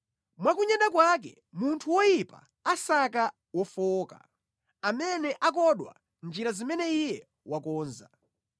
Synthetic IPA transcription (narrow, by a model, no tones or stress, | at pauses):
mwakuɲɛɗakwak̬ɛ | muntʰuwɔjipa̰ | asaka | wɔfɔːka̰ | amɛnɛʔak̬ɔɗwa̰ | nd͡ʒiɾazimɛnɛijɛ | wakɔːnza